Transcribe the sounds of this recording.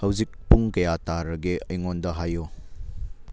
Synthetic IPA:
hɐwzik̚puŋkɐjataɾɐɡeɐ̰jŋondɐɦajo

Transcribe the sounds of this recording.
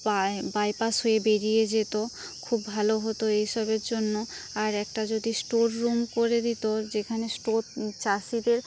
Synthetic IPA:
abajpasɦoebeɾijed͡ʑet̪o | kʰubbʱaloɦot̪oeɦʃɔbeɾd͡ʑonːoaɾɛk̚ʈad͡ʑod̪isʈoɾːumkoɾed̪it̪od͡ʑekʰanesʈoɾt͡ɕaʃid̪eɾ

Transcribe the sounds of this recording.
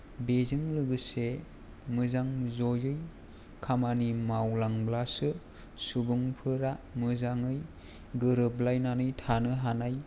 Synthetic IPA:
bezɯŋlɯɡɯse | mɯzaŋzɔjɯj | kʰamanimawlaŋblasɯ | subɯŋpʰɯɾamɯzaŋɯj | ɡɯɾɯblajnanɯjtʰanɯɦanaj

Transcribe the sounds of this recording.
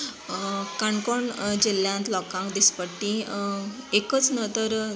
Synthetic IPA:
kaɳkɔɳd͡ʑilːjãnt̪lɔkãŋkd̪ispəʈːĩ | ekət͡snət̪əɾ

